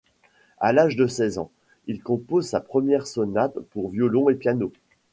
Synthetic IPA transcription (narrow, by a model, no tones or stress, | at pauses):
alaʒd̪əsɛzɑ̰̃ | ilkɔ̃pozsapχəmjɛʁsɔnat̪puʁvjɔlɔ̃epjano